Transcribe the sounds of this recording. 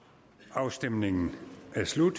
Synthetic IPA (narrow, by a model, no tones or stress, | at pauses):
ɑ̈ʊsd̥emne̝ŋn̩ʔæslud̥